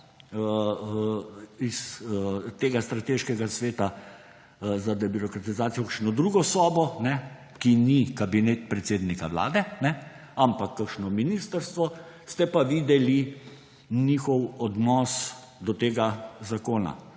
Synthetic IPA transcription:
ə | is | t̪eːɡast̪ɾat̪eːʃkɛɡasʋeːt̪a | zad̪ɛbiɾɔkɾat̪izaːt̪sijɔkakʃnɔd̪ɾuɡɔsɔːbɔnɛ | kinikabinet̪̚pɾɛt̪seːd̪nikaʋla̰ːd̪ɛnɛ | ampakːakʃnɔminist̪əɾst̪ʋɔ | st̪ɛpaʋiːd̪ɛli | niːxɔwɔd̪nɔːs | d̪ɔt̪eːɡazakoːna̰

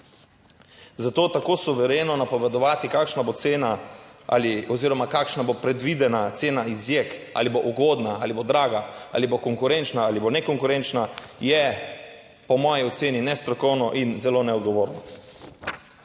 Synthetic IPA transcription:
zat̪oːt̪akoːsuʋɛɾeːnɔnapɔʋɛd̪ɔʋaːt̪ikaːkʃnabot̪seːnaʔa̰liɔziːɾɔmakaːkʃnabopɾɛd̪ʋid̪ɛnat̪seːnaizjekʔa̰liboʔuɡoːd̪naalibod̪ɾaːɡaa̰libokɔŋkuɾent͡ʃnaalibonɛkɔŋkuɾent͡ʃnajɛ | pɔmɔːjiɔt̪seːninɛst̪ɾɔkɔwnɔʔinzɛloːnɛɔd̪ɡɔʋoːɾnɔ

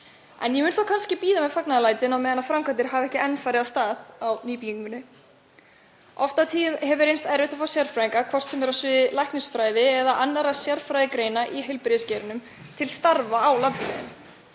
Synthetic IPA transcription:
ɛ̰njɛmʏːnθakʰanscɪpiːðamɛðfaknaðalaːjt̪ɪnawmɛːðanafɾamkʰat̪ɪɾ̥ɦavɛhcɪɛnːfaːɾɪðast̪aːðawniːpiiŋkʏnːɪ | ɔft̪at̪ʰiɦɛvʏɾejnst̪ɛɾɪht̪afaːsjar̥fɾaiŋkakʰvɔr̥t̪sɛmɛɾasvɪðɪlajhknɪsfɾaːjðɪɛðaʔanːaɾasjaɾfɾajðɪkɾeːjnaʔiɦɪjlpɾɪðɪscɛːɾɪnʏmt̪ʰɪlst̪aɾvaːwlant̪svɛ̰ðɪ̰n

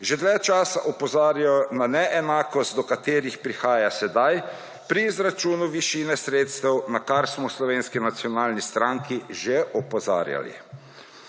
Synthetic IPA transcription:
ʒed̪lɛt͡ʃaːsaʔɔpɔzaːɾjaɔnanɛʔɛnaːkɔst̪̚d̪ɔkat̪eːɾixpɾixaːjasɛd̪aj | pɾiːzɾat͡ʃuːnuʋiʃiːnɛsɾeːt̪st̪ɛwnakaɾsmɔslɔʋeːnskinat̪sjɔnaːlnist̪ɾaːŋkiʒeʔɔpɔza̰ːɾja̰lḭ

